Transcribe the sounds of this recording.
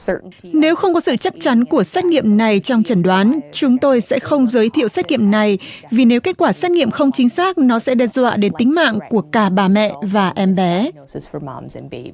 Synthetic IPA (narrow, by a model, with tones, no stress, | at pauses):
səʔne˨˦wxə˧wŋ͡mkɔ˨˦sɨ̰˧˨t͡ɕa˦˥k̚t͡ɕa˨˦nku˧˩əsaː˦˥t̚ŋḭ˧˨əmna˨˩jt͡ɕɔ˧wŋ͡mt͡ɕə˧˩nɗwaː˨˦nt͡ɕʊ˨˦ŋ͡mt̪o˧jsɛ̰˧˥xə˧wŋ͡mzəː˨˦jt̪ʰḭ˧˨əwsa˦˥t̚ŋḭ˧˨əmna˨˩jvi˨˩ne˨˦wke˦˥t̚kwaː˧˩saː˦˥t̚ŋḭ˧˨əmxə˧wŋ͡mt͡ɕï˨˦ŋ̟saː˦˥k̚nɔ˨˦sɛ̰˧˥ɗɛː˧zwa̰ː˧˨ɗe˨˦nt̪ï˨˦ŋ̟ma̰ː˧˨ŋku˧˩əkaː˨˩ɓaː˨˩mɛ̰˧˨ʔvaː˨˩ʔɛ˧mɓɛ˨˦ | z̥fəmɑ̰mzɨ̃nbe